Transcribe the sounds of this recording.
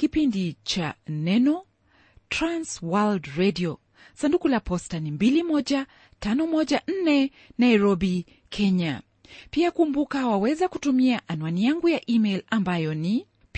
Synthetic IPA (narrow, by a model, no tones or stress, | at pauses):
kipindit͡ʃanɛnɔ | tɾanswaldɾɛdiɔ | sandukulapɔstanimbilimɔʄa | tanɔmɔʄan̩nɛ | najɾɔbi | kʰɛɲa | piakumbukawawɛzakutumiaʔanwanijaŋɡujaʔimɛjlambajɔni | p